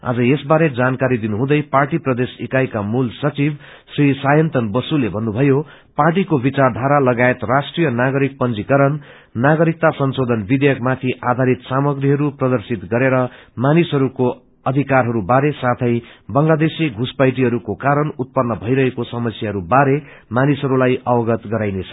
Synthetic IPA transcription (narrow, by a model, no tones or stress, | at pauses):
a̰d͡zʌjesbaɾed͡zankaɾid̪inuɦũd̪ʌjparʈiprʌd̪esikajkamulsʌt͡sib | srisajʌnt̪ʌnbʌsulebʱʌnːubʱʌjo | parʈ̬ikobit͡sard̪ʱaɾalʌɡaet̪rasʈrijʌnaɡʌɾik̚pʌnd͡zikʌɾʌnː | aɡʌɾik̚t̪asʌnsod̪ʱʌnbid̪ejʌkmat̪ʰiʔad̪ʱaɾit̪samʌɡriɦʌɾuprʌd̪ʌrsit̪ɡʌɾeɾʌmanisɦʌɾuko | ʌd̪ʱikarɦʌɾubaɾesat̪ʰʌj̃bʌŋlad̪esiɡʱuspajʈ̬iɦʌɾukokaɾʌnut̪̚pʌnːʌbʱʌjɾʌɦekosʌmʌsjaɦʌɾubaɾe | manisɦʌɾulajʔʌwʌɡʌt̪ɡʌɾajnet͡sʰʌ̥